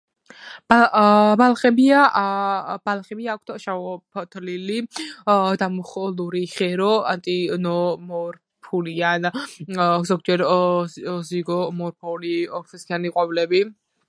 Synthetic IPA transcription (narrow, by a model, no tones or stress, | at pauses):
b̥abalˠχɛbia | b̥alˠχɛbiaːk̚ʷʰt̪ʃaɔpʰt̪ʰlili | d̪amuχluɾiχɛɾɔant̪ʼinɔmɔɾ | pʰulian | zɔɡ̚d͡ʒɛɾ | ziɡɔmɔɾpʰɔliɔɾfɛsʰianiqʼɔblɛbi